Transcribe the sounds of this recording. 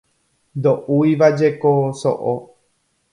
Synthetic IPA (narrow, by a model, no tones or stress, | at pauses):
nd̪oʔujʋad͡ʒe̞koso̰ʔo